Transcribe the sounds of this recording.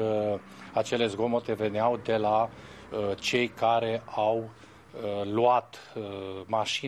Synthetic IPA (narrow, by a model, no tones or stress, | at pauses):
at͡ʃe̞le̞zɡo̞mo̞t̪eve̞neawd̪e̞la | t͡ʃe̞jkaɾe̞aw | luat̪ | maʃi